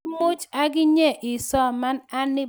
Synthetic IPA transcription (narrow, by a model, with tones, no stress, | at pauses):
mo˦t͡ʃa˦ɡɪ˦ɲɛ˦˨ʔɪ˨sɔ˦˨ma˦na˦nɪ˦